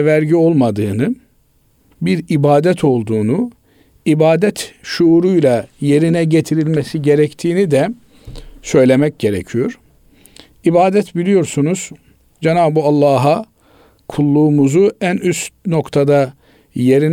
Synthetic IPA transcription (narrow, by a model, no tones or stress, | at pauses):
væɾɟio̞lˠmad̪ɯːnɯ | biɾibaːd̪ɛt̪ʰo̞lˠd̪uːnu | ibaːd̪ɛt̪ʃuːɾujlʲˠaje̞ɾinɛɟe̞t̪ʰiɾilʲmesiɟe̞ɾɛct̪ʰiːnid̪ɛ | sø̞jlʲe̞mɛc̚ɟe̞ɾḛcʰijo̞ɾ̥ | ibaːd̪ɛt̪bilʲijo̞ɾsunuz̥ | d͡ʒenaːbualˠːaːɦa | kʰulˠːuːmuzuænyst̪no̞kt̪ʰad̪a | je̞ɾin